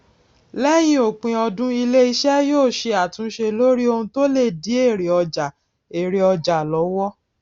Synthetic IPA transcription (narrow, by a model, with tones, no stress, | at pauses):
lɛ˦j̃ĩ˦o˨k͡pĩ˧ɔ˧dũ˦i˧le˦i˧ʃɛ˦joː˦˨ʃe˧a˨tũ˨˦ʃe˧lo˦ɾi˦o˧hũ˧to˦le˦˨di˨˦e˦˨ɾe˨ɔ˧d͡ʒa˨ | e˨ɾe˨ɔ˧d͡ʒa˨lɔ˨˦wɔ˦